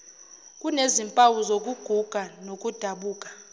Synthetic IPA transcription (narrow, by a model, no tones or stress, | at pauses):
kʼunezimpʼawuzok̬ʼuɡ̥ʱuɡ̥ʱanok̬ʼud̥ʱaɓuːkʼḁ